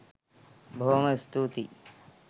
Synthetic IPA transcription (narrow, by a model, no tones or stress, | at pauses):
bʱoːmɐst̪ut̪i